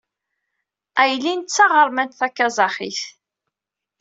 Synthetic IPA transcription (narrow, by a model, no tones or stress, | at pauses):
æjlːint̪t͡sːɑʁəɾˤmænt̪θækːazˤɑχḭθ